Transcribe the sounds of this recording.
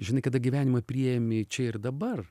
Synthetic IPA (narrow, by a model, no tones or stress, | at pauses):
ʒʲɪnɐɪkɐd̪ɐɡʲiʋʲæːnʲɪmɐpʲɾʲijɛmʲɪt͡ʃʲɛɪrd̪ɐbɐr